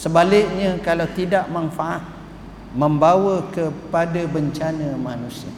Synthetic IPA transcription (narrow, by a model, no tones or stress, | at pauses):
səbalɪk̚ɲãkalawt̪idaʔmanfaʔat̪̚ | məmbawəkəpadabəɲt͡ʃanãmanũsia